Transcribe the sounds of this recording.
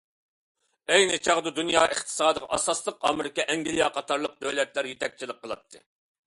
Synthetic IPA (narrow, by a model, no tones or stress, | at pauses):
ɛjnɨt͡ʃʰɑʁd̪ɨd̪unjɑːʔeχt̪ʰɨ̥sɑːd̪ɨʁɑ̰ʔɑ̰sɑslˠəqɑ̰mɪɾɪkʲɛʔɛŋɡʲilijɑqʰɑt̪ʰɑɾlˠəq̚d̪ølɛt̪læɾjet̪ʰɛk̚ʲt͡ʃʰilˠɪqʰːəlˠɑp̚t̪ʰːɨ